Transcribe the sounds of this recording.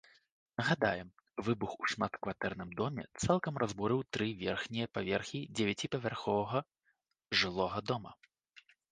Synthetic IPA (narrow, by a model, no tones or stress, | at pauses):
nɐɣad̪a̰jɛm | vɨbuxuʂmat̪kvat̪ɛrnɨmd̪ɔmʲɛ̰t̪salˠkɐmrʔazbɔɾɨwt̪ɾɨvʲɛrxnʲijɐpavʲɛrxʲid͡zʲɛvʲat͡sʲipɐvʲarxɔvɐɣɐ | ʐɨlˠɔɣɐd̪ɔmɐ̰